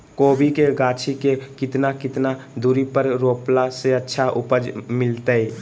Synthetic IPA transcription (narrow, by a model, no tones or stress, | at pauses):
kobikeɡat͡ʃʰikekit̪nakit̪nad̪uɾipəɾɾoplaseətːʃʰaʔupəd͡ʒmɪlt̪əj